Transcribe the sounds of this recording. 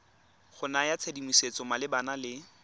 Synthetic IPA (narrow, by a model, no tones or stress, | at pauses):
χʊnajat͡sʰedimiset͡sɔmalɪbanalɪ